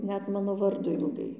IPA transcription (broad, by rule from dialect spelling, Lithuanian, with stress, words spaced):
ˈnʲɛt ˈmɑːnoː ˈʋɐrdoː ɪlˠˈɡɐɪ